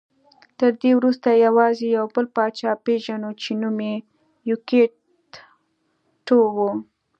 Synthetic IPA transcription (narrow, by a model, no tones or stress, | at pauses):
t̪əɾd̪ewɾust̪ajawɑzejawbəlpɑt͡ʃɑpeʒanot͡ʃenume | juke | ʈowu